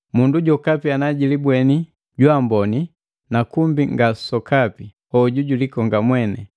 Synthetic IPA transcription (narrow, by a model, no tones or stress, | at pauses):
munduɟɔkapianaɟilibwɛni | ɟwambɔni | nakumbiŋɡasɔkapi | hɔɟuɟulikɔŋɡamwɛnɛ